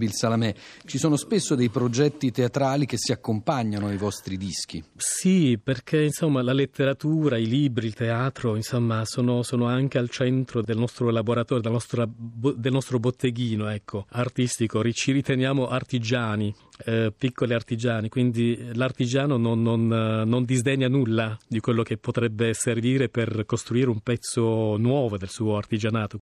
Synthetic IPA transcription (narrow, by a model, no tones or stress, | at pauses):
bilsalamɛt͡ʃisoːnospesːod̪ejpɾod͡ʒɛt̪ːit̪eat̪ɾaːlik̟esːiakːompaɲːanoajvɔst̪ɾid̪isk̟isiperk̟einsomːalalet̪ːeɾat̪uːɾailiːbɾiːlt̪eaːt̪ɾoinsomːasoːnosoːnoaŋk̟ealt͡ʃɛnt̪ɾod̪elnɔst̪ɾolaboɾat̪ɔːɾjod̪elanɔst̪ɾabod̪elnɔst̪ɾobot̪ʰːeɡiːnoɛkʰːoart̪ist̪ikoɾit͡ʃiɾit̪enjaːmoʔart̪id͡ʒaːni | pikːoliart̪id͡ʒaːnikwind̪ilart̪id͡ʒaːnonononːond̪izd̪eɲːanulːad̪ikwelːok̟epːot̪ɾɛbːeserviːɾeperkost̪ɾuiːɾeumpɛt̪sːonwɔːvod̪elsuːoart̪id͡ʒanaːt̪o